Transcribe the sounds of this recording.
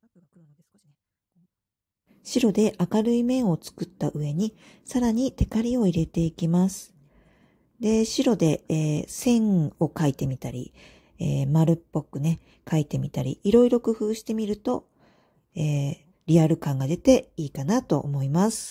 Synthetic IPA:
ɕiɾo̞d̪e̞ʔakaɾɯ̟imẽ̞ɰ̃o̞t͡sɨ̥kɯ̟t̪ːaʔɯ̟e̞ɲ̟i | saɾaɲ̟it̪e̞kaɾʲio̞iɾe̞t̪e̞ikʲimasɨ̥ | d̪e̞ɕiɾo̞d̪e̞ːsẽ̞ɴ̃o̞kait̪e̞mʲit̪aɾʲḭ | ḛːmaɾɯ̟pːo̞kɯ̟ne̞ | kait̪e̞mʲit̪aɾʲḭːɾo̞iɾo̞kɯ̟ɸɯ̟ːɕi̥t̪e̞mʲiɾɯ̟t̪o̞ | eː | ɾʲiaɾɯ̟kãŋɡad̪e̞t̪e̞iːkanat̪o̞̰ʔomo̞imasɨ̥

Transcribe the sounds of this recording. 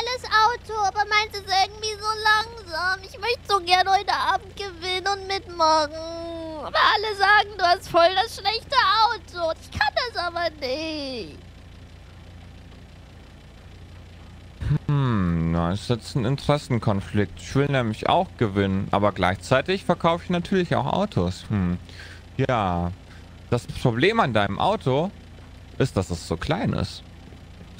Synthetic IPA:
aləsʔaʊtʰoaːbɐmaɪntɛsʔɪɐɡŋ̩tv̥iːzoːlaŋzaːmɪçmœçtəz̥oɡɛɐnhɔʏtəʔaːb̚m̩t̚ɡ̥əvɪnənʊntmɪtmaχŋ̩ʔaːbɐʔaləzaːɡŋ̩duːhastfɔldasʃlɛçtəʔaʊtʰoʊntɪçkʰandasʔaːbɐnɪt | hmm̩naɪstjɛt͡stn̩ɪntəʁ̥ɛsn̩kʰɔnflɪk̚tɪ̥çv̥ɪlnɛːmlɪçʔa̰ʊxɡ̥əvɪnənʔa̰ːbɐɡlaɪçt͡saɪtɪçfɛɐkʰaʊfɪçnatʰyːɐlɪça̰ʊxʔa̰ʊtʰoːsmm̩ | jaː | d̥aspʁ̥obleːmandaɪnəmʔa̰ʊtʰo | ʔɪst̚d̥asdasz̥oːkʰl̥aɪnʔɪ̰st

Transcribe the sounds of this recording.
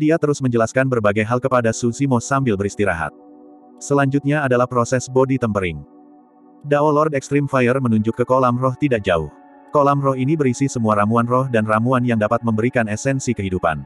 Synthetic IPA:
diat̪əɾʊsməɲd͡ʒəlaskanbərbaɡajɦalkəpadasusimosambɪlbəɾist̪iɾa̰ɦa̰t̪̚ | səlaɲd͡ʒut̪̚ɲaːdalahpɾosɛsbodit̪əmpəɾɪŋ | daɔlɔrdɛkst̪ɾimfajərmənuɲd͡ʒʊkːəkolamrɔht̪idak̚d͡ʒaʊh | kolamrɔhɦinibəɾisisəmuaɾamuanrɔhdanramuanjaŋdapat̪̚məmbəɾikanɛsɛnsikəɦidupa̰n

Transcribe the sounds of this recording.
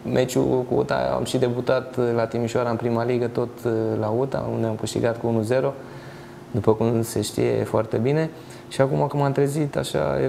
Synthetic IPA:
mʔe̞t͡ʃṵkuṵt̪a̰a̰mʃid̪e̞but̪at̪lat̪imiʃoaɾaɨnpɾimaliɡət̪o̞t̪laut̪a̰ṵnd̪eamkɨʃt̪ḭɡat̪̚kuunuze̞ɾo̞ | d̪upəkumse̞ʃt̪ḭje̞̰foart̪e̞bine̞ | ʃiakumakumamt̪ɾezit̪a̰ʃa̰je

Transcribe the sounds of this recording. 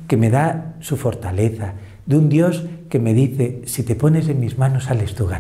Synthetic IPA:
kemeðasufoɾt̪aleθa | d̪und̪joskemeðiθesit̪eponeseŋmizmanosalest̪uɣa̰

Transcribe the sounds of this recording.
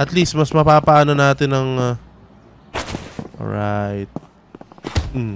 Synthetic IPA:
ʔɐt̪list̪̚mɐsmɐpaːpɐʔaːnonaːt̪ɪnɐŋ | ʔo̰ɹajt̪̚ | m̩

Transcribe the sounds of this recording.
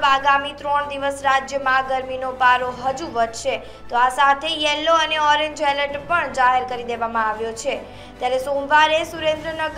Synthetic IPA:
baɡamit̪ɾɔɳd̪iʋəsɾad͡ʒjəmãɡəɾminopaɾoɦəd͡ʒuʋəd͡ʒʃe | t̪oasat̪ʰejɛlːoəneɔɾeɲd͡ʒɛləʈpəɳd͡ʒaɦeɾkəɾid̪eʋamãaʋjot͡ʃʰe | t̪jaɾesomʋaɾesuɾẽnd̪ɾənəɡ

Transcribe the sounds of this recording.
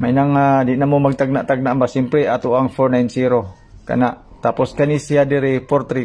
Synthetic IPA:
mainaŋadiʔnamomaɡ̚t̪aɡ̚naʔt̪aɡ̚naʔmbasimpleat̪uaŋfɔrnainsiɾo | ka̰naʔt̪apɔskanisiadiɾipɔrt̪ɾi

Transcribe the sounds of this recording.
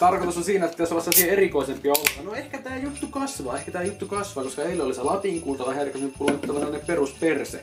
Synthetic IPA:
t̪ɑrkot̪usosiːnæet̪ːæt̪æsoʋɑsːɑsiheerikoisempiɑolut̪ɑnoehkæt̪æːjut̪ːukɑsʋɑːehkæt̪æːjut̪ːukɑsʋɑːkoskɑeilːeoliselɑt̪iŋkuːlt̪ɑʋɑheærikːæsenyppulyt̪ːɑʋɑnenːepperust̪̚persḛ

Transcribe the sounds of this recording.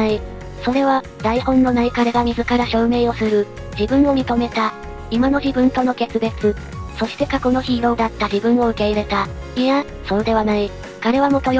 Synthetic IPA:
i | so̞ɾe̞βa | d̪̥aihõ̞nːo̞naikaɾeɡamʲizɨkaɾaɕo̞ːme̞ːo̞sɨɾɯ̟ | d͡ʑibɯ̟̃ɰ̃o̞mʲit̪o̞me̞t̪a | imano̞çibɯ̟̃nt̪o̞no̞ke̞t͡sɨbe̞t͡sɨ | so̞ɕi̥t̪e̞kako̞no̞çiːɾõ̞ːd̪at̪ːaʑibɯ̟̃ɰ̃o̞ɯ̟ke̞iɾe̞t̪a | ia | so̞ːd̪e̞βanai | kaɾe̞βamo̞t̪o̞

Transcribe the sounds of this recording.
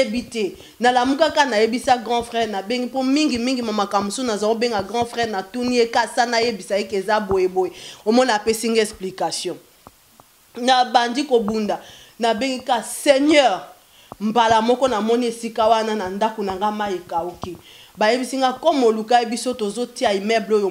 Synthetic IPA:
ebitɛ | nalamukakanajebisaɡʁɑ̃fʁɛʁnabeŋɡipomiŋɡimiŋɡimamakambosonazaobeŋɡaɡʁɑ̃fʁɛʁnatuniekasanajebisaekezabojebojeomɔnapesiŋɡɛksplikasjɔ̃ | nabandikobunda | nabeŋɡikaseɲɛʁ | mbalamɔkɔnamɔniesikawananandakonaŋɡamajikauke | bajebisiŋɡakɔmolukajebisotozotiaimɛblojo

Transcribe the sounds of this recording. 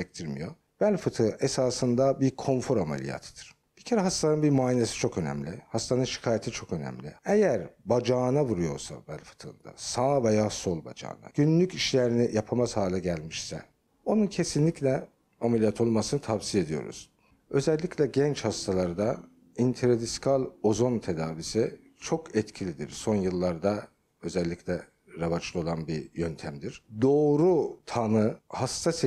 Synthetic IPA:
ɛc̚t̪ʰiɾmḭjo̞̰ | b̥ælʲfɯt̪ʰɯesaːsɯnd̪abiɾkʰo̞nfoɾamḛlʲḭja̰ːt̪ʰɯ̥d̪̥ɯɾ̥ | b̥icʰeɾɛɦast̪anɯnbiɾmaːinesi̥t͡ʃʰo̞kø̞næ̰mlʲihast̪ʰanɯnʃi̥kʰaːjet̪ʰit͡ʃʰo̞kø̞næ̰mlʲḭejæɾbad͡ʒaːnavuɾujo̞̰ɾsa̰bælʲfɯ̥t̪ʰɯ̰nd̪a̰saːvejaːso̞lˠba̰d͡ʒa̰ːna̰ɟ̥ynlʲyciʃlʲeɾinijapʰamaz̥haːlʲɛɟælʲmiʃsɛ̰ | o̞nuncʰe̞sinlʲiclʲɛ | amelʲijat̪ʰo̞lˠmasɯnɯt̪ʰavsije̞d̪ijo̞̰ɾṵz̥ | ø̞zɛlʲːicʰlʲɛɟɛnt͡ʃhast̪ʰalˠaɾɯd̪a | int̪ʰeɾad̪iskʰalʲo̞zo̞nt̪ʰe̞d̪aːvisi | t͡ʃʰo̞kʰɛt̪cʰilʲid̪ḭɾso̞njɯlˠːaɾd̪a | ø̞zɛlʲːiclʲɛ | ɾavat͡ʃlˠɯo̞lˠanbijønt̪ʰæmd̪iɾ̥d̪o̞ːɾut̪ʰanɯhast̪ʰas

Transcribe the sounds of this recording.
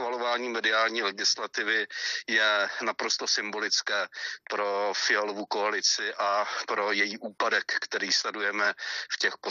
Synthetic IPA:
valovaːɲiːmɛdɪaːlɲiːlɛɡɪslat̪ɪvɪjɛnapɾo̞st̪o̞sɪmbo̞lɪt͡skɛːpɾo̞fɪɛlovuko̞alɪt͡sɪʔapɾo̞jɛjiːʔuːpadɛkːt̪ɛɾiːst̪adujɛmɛfcɛxpo

